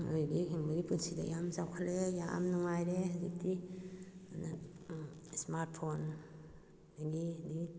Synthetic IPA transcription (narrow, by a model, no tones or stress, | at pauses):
ɯjɡikʰiŋbiɾipɯnsida̰jamzawkʰalejaa̰mnuŋajɾehzik̚di | ana | smaɾt̚pʰon | daɡidiɡi